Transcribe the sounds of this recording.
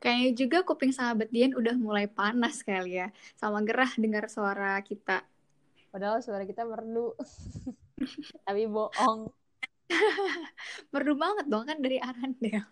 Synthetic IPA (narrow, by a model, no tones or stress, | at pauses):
kajad͡ʒuɡakupɪŋsaabat̪̚dianudahmulajpanasə̥kalijasamaɡəɾahdəŋərsoaɾakit̪a | adasuaɾakit̪amərdu | t̪apiboʔɔŋ | mərdubaŋət̪̚baŋkandaɾiʔaɾandɛl